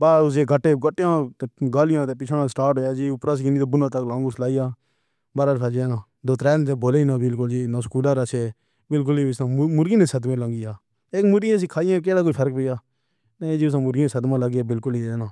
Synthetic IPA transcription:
baːɾaːʊs̬eːɡəʈːeːɡəʈːjãːɡaːlɪjãːt̪eːpɪt͡ʃʰaːɽãːsʈaːɾʈɦoːjaːd͡ʒiːʊpɾaːs̬kiniːt̪oːbʊnãːt̪əklãːŋɡuːslaːijaː | baːɾaːdpʰaːd͡ʒeːnãː | d̪oːt̪ɾɛːnːt̪ẽːboːleːinãːbɪlkʊld͡ʒiːnãːskuːləɾəseː | bɪlk̬ʊliːɪsãːmʊɾɡiːnẽːsəd̪mẽːləŋɡijaː | eːkmʊɾɡijẽs̬ĩːkʰaːɪjãːk̬eːɽaːk̬oːipʰəɾək̚pɪːjaː | nə̃d͡ʒiːʊs̬ãːmʊɾɡiːeːsəd̪mãːləɡiːaːbɪlkʊliːnãː

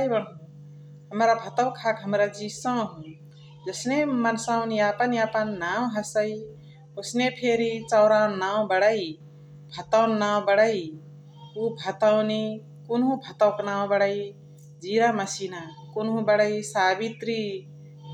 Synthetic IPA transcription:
ajbəɽɦũ | ɦəmɾabʱət̪əwkʰakɦəmɾad͡ʒisə̃ɦũ | d͡ʒəsnemənsaʊniapəniapənːaw̃ɦəsəi | osnepʰeɾit͡ʃəʊɾanaw̃bəɽəi | bʱət̪awnːaw̃bəɽəj | ubʱət̪awni | kunɦũbʱət̪əwknaw̃bəɽəi | d͡ʒiɾaməsinakunɦũbəɽəjsabit̪ɾi

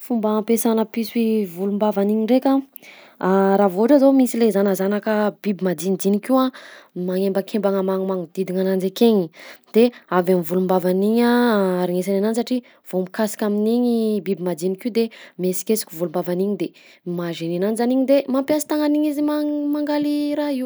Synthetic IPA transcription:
fumbapesanəpiswivulumbavaniɲiɳɖ͡ʐekʲa | aɾavoʈ͡ʂazamisilezanəzanakəb̥ibimad̪inid͡z̪inikuamaŋembəkʰembaŋamaŋumaŋud̪̥id̪iŋanand͡zekeɲid̪̥eavamivulumbavaniɲaaɾiŋesanananisaʈ͡ʂi | v̥omikasi̥kʲaminiɲibibimad͡zinikid̪emesi̥kʲesi̥kʲuvulumbavaniɲid̪e | maʒeninanizaniɲid̪emampjasi̥t̪aŋaniɲiziamaŋɡaliɾaiw

